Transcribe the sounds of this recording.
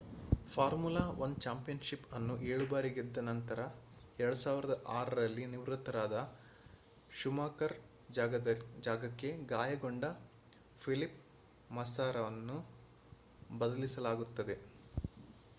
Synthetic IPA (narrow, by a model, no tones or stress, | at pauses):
pʰaːɾmulaːʋɐnd̪t͡ʃaːmpijɐnʃipɐnːuʔeːɭubaːɾiɡed̪ːɐnɐnt̪ɐɾɐ | ɛɾɐɽusaːʋiɾɐd̪ɐʔaːɾɐɾɐlːiniʋɾut̪ːɐɾaːd̪ɐ | ʃumaːkɐɾ | ɐd͡ʒaːɡɐkːe̞ɡaːjɐɡoɳɖɐ | pʰilip | mɐsaːɾɐʋɐnːu | bɐd̪ɐlisɐlaːɡut̪ːɐd̪e̞